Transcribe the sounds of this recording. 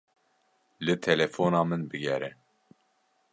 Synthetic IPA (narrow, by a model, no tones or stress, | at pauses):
lɨt̪ʰɛlɛfoːnɑːmɨnbɨɡʲɛɾɛ